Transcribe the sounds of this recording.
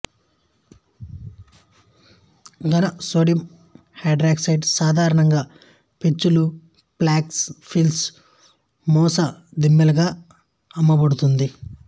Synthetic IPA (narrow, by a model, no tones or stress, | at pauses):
ɡɐnɐsoːɽjiɐm | hɐːɖɾaːksɐjɖsaːd̪ʱaːɾɐɳɐŋɡaː | pit͡ʃːulu | plaːkspʰils | mɔːsɐd̪imːɐlɐɡaː | ɐmːɐbɐɽut̪und̪i